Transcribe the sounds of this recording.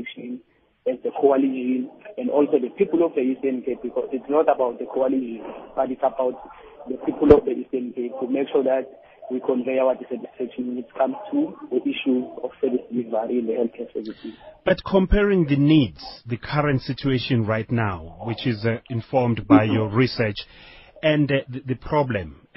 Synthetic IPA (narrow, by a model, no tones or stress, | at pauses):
fkʃɔ̃n | ɛzdəkʰoalid͡ʒinɛ̃ndʔɔlsoðəpʰipulɔfdəistɛnkʰet̚bikʰɔzitsnɔtabawt̚d̪əkʰɔalid͡ʒĩnbatitsabawt | ðəpʰipʰulɔfdəʔistɛnkʰep̚tʰumekʃɔðat̚ | wikʰɔ̃nveawadisɛtʰisfɛkʃɔnwɛnitkʰãmz̥tʰuðəʔiʃuzɔfsɛvisd̥ilivaɹiɛ̃ndəhɛlθkʰɛsɛvitib̥atkʰɔ̃mpʰɛɹĩŋðənidz̥ðɨkʰaɹɛ̃ntsit͡ʃʰueʃɔ̃nɹajtnawwit͡ʃizĩnfɔmdbajjɔɹisɛt͡ʃɛ̃nððəpʰɹɔblɛ̃m